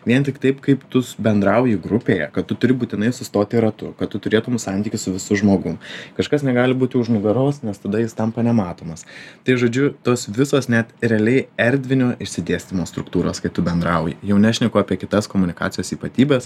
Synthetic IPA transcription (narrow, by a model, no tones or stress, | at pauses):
ʋʲiɛnt̪ʲɪkt̪ɐɪpkɐɪpt̪ʊsbʲɛnd̪ɾɐʊjɪɡɾʊpʲeːjɛ̰kɐt̪tʊt̪ʊɾʲɪbuːt̪ʲɪnɐɪsʊst̪oːt̪ʲɪɾɐt̪ʊ̰kɐt̪t̪ʊt̪ʊɾʲeːt̪ʊmsɑˑnʲt̪ʲiːkʲɪsʊʋʲɪsʊʒmoːɡʊmkɐʃkɐsnʲɛɡɑːlʲɪbuːt̪ʲjɛʊʒnʊɡɐɾoːsnʲɛst̪ɐd̪ɐjɪst̪ɐmpɐnʲɛmɑːt̪oːmɐst̪ɐɪʒoːd͡ʒʲʊt̪oːsʋʲɪsoːsnʲɛt̪ɾʲɛɐlʲɛɪɛɾʲd̪ʲʋʲɪnʲoːʔɪʃʲsʲɪd̪ʲeːsʲt̪ʲɪmoːst̪ɾʊkt̪uːɾoːskɐɪt̪ʊbʲɛnd̪ɾɐʊjɪjɛʊnʲɛɐʃʲnʲɛkʊɑːpʲiɛkʲɪt̪ɐskoːmʊnʲɪkɑ̰ːtt͡sʲɪjoːsiːpɐt̪ʲiːbʲɛːs